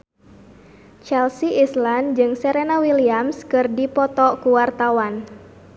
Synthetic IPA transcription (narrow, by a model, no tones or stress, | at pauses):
t͡ʃɛlsiisland͡ʒɨŋsɛɾenawiliamskɨrdipɔt̪ɔkuwart̪awan